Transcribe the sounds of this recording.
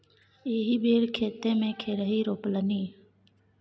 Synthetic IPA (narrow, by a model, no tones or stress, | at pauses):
eːɦiːbʱeːɾkʰeːt̪ẽːmẽːkʰeːɾəɦiːɾoːpləniː